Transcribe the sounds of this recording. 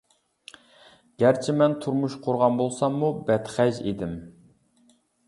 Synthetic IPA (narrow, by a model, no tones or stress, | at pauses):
ɡ̥ʲæɾt͡ʃʰɪmɛnt̪ʰuɾmuʃqʰʊɾʁɑnbolˠsɑmːubɛt̪χɛʒḭd̪ɪm